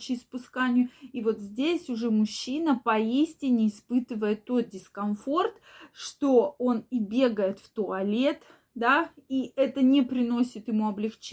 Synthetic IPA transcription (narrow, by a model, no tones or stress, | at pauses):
t͡ɕɪspʊskanʲɪjʊivo̞t̪zʲdʲesʲʊʐɛmʊɕːinəpɐisʲtʲɪnʲɪːspɨt̪ɨvəjɪt̪ːo̞t̪̚dʲɪskɐnfo̞rt̪ʂt̪o̞o̞nibʲe̞ɡəjɪt̪ft̪ʊɐlʲe̞t̪ | d̪aiʔɛt̪ənʲɪpɾʲɪno̞sʲɪt̪jɪmuɐblʲɪxt͡ɕ